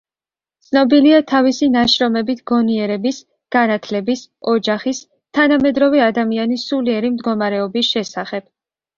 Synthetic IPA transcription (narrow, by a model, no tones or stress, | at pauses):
t̪sʰnɔbiliat̪ʰavisinaʃɾɔmɛbit̪ʰɡ̥ɔniɛɾɛbis | ɡ̥anat̪ʰlɛbis | ɔd͡ʒaχis | t̪ʰanamɛd̪ɾɔvɛad̪amianisuliɛɾimd̪ɡɔmaɾɛɔbisʃɛsaχɛb̥̚